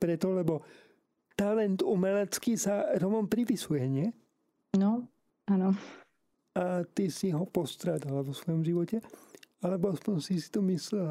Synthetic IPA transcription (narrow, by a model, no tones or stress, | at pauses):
pɾɛt̪ɔlɛbɔ | t̪alɛnt̪umɛlɛt͡skisaɾɔmɔmpɾipisujɛɲɪɛ | nɔ | anɔ | at̪isiɦɔpɔst̪ɾaːd̪alaʋɔsʋɔjɔmʒiʋɔcɛalɛbɔaspɔɲsisi̥t̪ɔmislɛl